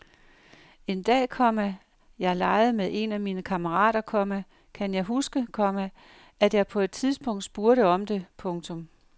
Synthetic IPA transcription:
e̝nd̥ɛ̰ːkʰɒ̽m̰ə | jɑ̈ɪɐlɑ̈ɪð̞̩ˠmeðˠʔe̝næmiːnəkʰɑ̈məʁɑ̰̈ːdɾɐkʰɒ̽mæ | kʰænjɑ̈ɪɦusɡ̥əkʰɒ̽mə | æd̥jɑ̈ɪpʰɒ̽e̝d̥̚t͡sʰiðˠsb̥ɔ̽ŋ̰d̥sb̥uːɐɾ̥əɒ̽md̥e̝pʰɔ̽ŋt͡sʰɔ̽m

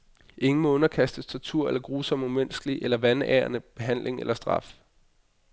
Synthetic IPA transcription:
ʔe̝ŋn̩mɔɔnɐkʰæsd̥əst͡sʰɒt͡sʰuɐ̰elɐɡ̥ʁuːsɒ̽m̰umen̰sɡ̥liʔelɐʋænæ̰ːɐnəb̥e̝ɦæn̰lʔe̝ŋelɐsd̥ʁɑ̈f

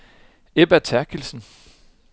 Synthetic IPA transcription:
eb̥ɐt͡sʰæɐkʰilsn̩

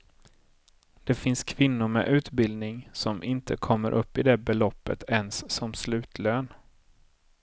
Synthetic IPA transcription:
d̪̥ɛfɪnskʰvɪnːʊɾmɛ̰ʔʉ̟ːt̪bɪld̪nɪŋsɔmʔɪnt̪ʰəkʰɔmːə̰ɾʔɵpːɪd̪ɛbɛlɔpːə̰t̪ʰɛnsːɔmslʉ̟ːt̪løːn

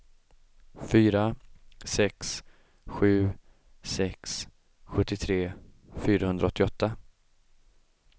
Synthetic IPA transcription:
fyːɾasɛks | ɧʉ̟ː | sɛks | ɧɵt̪ːɪt̪ʰɾeː | fyːɾahɵnd̪ɾaɔt̪ːɪɔt̪ːa

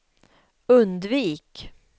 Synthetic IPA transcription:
ɵnd̪viːk

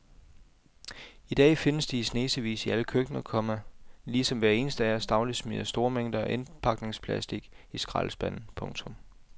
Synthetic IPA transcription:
id̥ɛ̰ːfe̝nəsd̥isne̝ːsəʋḭːsiæləkʰøɡ̥nɐkʰɒ̽mæliːsɒ̽mʋæɐe̝ːnəsd̥əæɐsd̥ɑ̈ʊli̥smyɐsd̥o̝ɐmeŋ̰d̥ɐɒ̽ʔe̝npʰɑ̈ɡ̥ne̝ŋspʰlæsd̥iɡ̥isɡ̥ʁɑ̰̈ːlsb̥æn̰n̩pʰɔ̽ŋt͡sʰɔ̽m

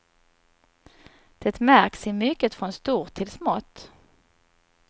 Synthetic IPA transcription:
d̪̥ɛt̪mæɾksɪmʏkːət̪fɾɔnst̪uːɾt̪ʰːɪlsmɔt̪ː

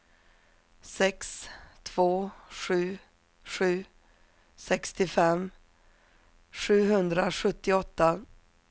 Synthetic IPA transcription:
sɛkst̪ʰv̥oːɧʉ̟ː | ɧʉ̟ː | sɛkst̪ɪfɛmː | ɧʉ̟ːɦɵnd̪ɾaɧɵt̪ːɪɔt̪ːa

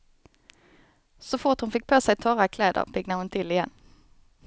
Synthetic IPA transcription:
sɔfʊʁt̪hʊnfɪk̚ːpʰoːsæɪt̪ʰɔʁakʰlɛːd̪ə̰ʁpʰɪɡnahʊnt̪ʰɪlɪjɛnː

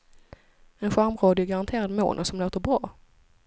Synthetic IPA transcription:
ɛnɧaɾmɾoːd̪ɪɡaɾant̪ʰeːɾad̪mo̰ːnʔəsɔmloːt̪əɾbɾɑː

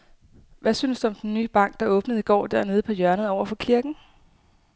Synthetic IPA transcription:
ʋæsyːnsd̥uɒ̽md̥enːyːb̥ɑ̈ŋ̰ɡ̥̚d̥ɑ̈ɔ̽ːb̥nəð̩ˠiɡ̥ɒ̰ːd̥æɐne̝ːð̞̩ˠəpʰɒ̽jœɐnəð̩ˠɒʊ̰ɐfɒ̽kʰiɐɡ̥n̩

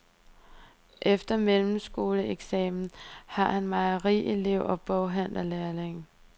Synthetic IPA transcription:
ʔefd̥ɐmelm̩sɡ̥o̝ːləeɡ̥sɛ̰ːmn̩hɑ̈hænmɑ̈ɪɐʁḭːʔele̝ʊ̰ʔɒ̽b̥ɔʊɦæn̰lɐlæɐle̝ŋ

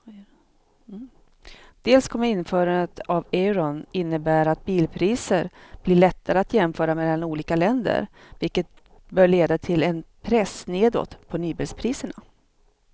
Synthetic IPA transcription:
d̪̥eːlskʰɔmːəɾɪnːfœːɾanət̪ʰavɛɾɔnɪnːəbæːɾat̪̚biːlpʰɾiːsəɾb̥lɪɭɛt̪ːaɾəat̪jɛmfœːɾameːd̪ɛnuːliːkalɛnd̪ə̰ɾ | vɪlkːət̪̚ | bœːɭeːd̪at̪ʰɪlɛnpʰɾɛsneːd̪ɔ̰t̪pʰɔnyːbɪlspʰɾiːsəɳa

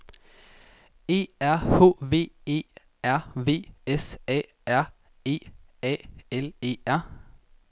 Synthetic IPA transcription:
e̝̰ːæɐho̝̰ːʋe̝̰ːe̝̰ː | æɐʋe̝̰ːesḛː | æɐ̰ | e̝̰ːḛːele̝ːæɐ

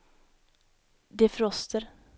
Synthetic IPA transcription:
d̪ɛfɾɔst̪ʰəɾ

